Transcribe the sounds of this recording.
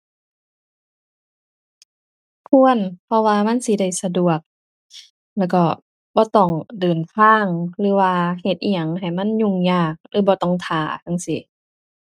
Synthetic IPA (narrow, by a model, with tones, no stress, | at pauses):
pʰu˧˥˨ə˨npʰɔ˧waː˧ma˧˥˨nsi˧da˧˩jsa˧du˨˩ək̚ | lɛː˧˩wkɔː˧˩ | bɔː˧˦t̪ɔ˧˩ŋdɤː˨˩np̪ʰaː˧˥˩ŋlɯː˨˦waː˧he˧˩t̪̚ʔi˧ɲa˨˧˩ŋha˨˩jma˧˥˨nɲu˧˩˨ŋɲaː˧˩k̚lɯː˧˦bɔː˧t̪ɔ˧˩ŋt̪ʰaː˨˩˦ka˧˥˨ŋsi˧˦